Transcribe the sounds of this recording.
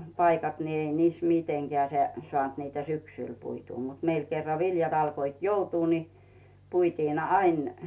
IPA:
pɑikɑt ni ei niːs miteŋɡ̊eæˑ se soɑˑnt niːtæ syksyˑl puituː mut meil kerːɑ ʋiljɑt ɑlkoit joutuː ni puitiːn ɑin

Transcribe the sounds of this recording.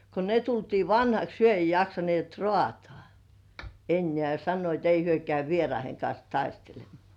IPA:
ko ne tultiː ʋɑnhɑks hyø ei jɑksɑnĭeˑt rŏɑˑtŏɑˑ enːĕæˑ jɑ sɑnːoit ei hyø kæy ʋierɑiheŋ kɑns tɑistelemˑŏɑˑ

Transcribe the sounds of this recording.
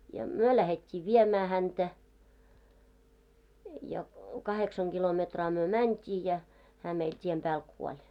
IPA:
jɑ myø læhetʲːiː ʋiemæː hæntæ jɑ kɑheksɑŋ ɡ̊ilometrɑː myø mæntʲiː jæ hæː meil tʲiem pæːl kuolʲ

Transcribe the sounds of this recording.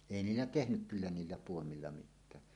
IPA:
eˑi niːlːæ tehnyk kylːæ niːlːæ puomilːɑ mitˑæː

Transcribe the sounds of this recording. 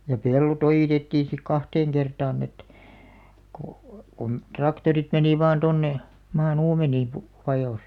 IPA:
jɑ pelːot ojiˑtetːiːn̞ sik kɑhteːŋ kertɑːn et ko kun trɑktorit meniˑ ʋɑːn tonːe mɑːn uːmeniː pu ʋɑjoˑs

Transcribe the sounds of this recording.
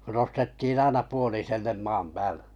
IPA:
nostetːiːn ɑinɑ puoliselːem mɑːm pæːle̥

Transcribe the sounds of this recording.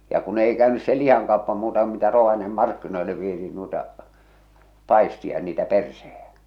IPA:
jɑ kun ei kæˑønys se lih̞ɑŋkɑopːɑ muːtɑ ku mitæ roʋɑniemem mɑrkːinoilːe ʋietiːn nuitɑ pɑˑistiɑ jɑ niːtæ persehej̊æ̥

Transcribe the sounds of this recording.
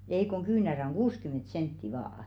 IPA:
ei koŋ kyːnæræ oŋ ɡ̊uːskymˑent sentːi ʋɑːɑ̆

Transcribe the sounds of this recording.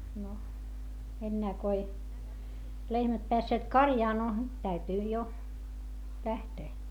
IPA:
no enːæː ko ei lehmæt peæsːeːt kɑrjɑː no tæytyi jo læhteː

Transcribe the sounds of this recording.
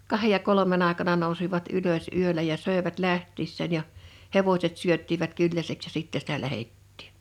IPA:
kɑhej jɑ kolomen ɑˑekɑnɑ nousiʋɑt yløs yølæ jɑ søˑeʋæt læhtːiːsːæːn jɑ heʋosʲet syøtːiʋæt kylːæseks jɑ sitːɛ sitæ læhetːi̥ːn̥

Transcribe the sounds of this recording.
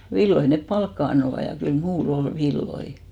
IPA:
ʋilːoi nep pɑlkːɑ ɑnːoʋɑ jɑ kyl muːl ol ʋilːoi

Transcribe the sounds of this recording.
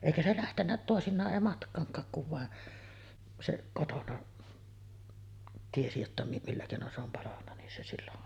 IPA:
eˑikæ se læhtenːæ toˑesinˑɑːʔ ʔeˑi mɑtkˑɑːŋkˑɑːk kuʋ ʋɑˑe se kotonɑ tiesi jotːɑ mi milːæ keˑinon se om pɑlɑnːɑ nin se silːoʔ

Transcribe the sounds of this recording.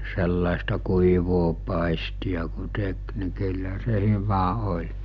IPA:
selːɑˑestɑ kuiʋoː pɑˑistiɑ ku tek ni kylːæ se hyʋæ olʲ

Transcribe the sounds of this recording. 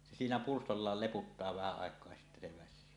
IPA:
se siːnæ purstolːɑːl leputːɑː ʋæhæ ɑˑekˑoɑ jɑ sitːæ se ʋæsˑyː

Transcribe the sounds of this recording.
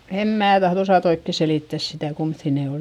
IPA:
em mæː tɑhð osɑˑt oikːe seliˑtːæs sitæˑ kumθːiˑ ne ol

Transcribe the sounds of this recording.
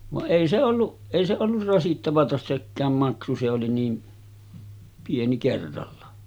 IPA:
ʋɑʔ ʔeˑi se olːuʔ eˑi se olːur rɑsitːɑʋɑtɑ sekːæːm mɑksu se oli niː pieni kerːɑlːɑ

